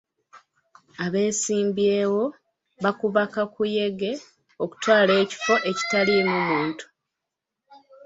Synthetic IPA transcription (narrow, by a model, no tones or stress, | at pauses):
aβe̞ːsiːmbjeːwo̞ | βakuβakakuje̞ɡe̞ | oku̥twaːle̞ːci̥fo̞ʔe̞ci̥talinoːmuːntu̥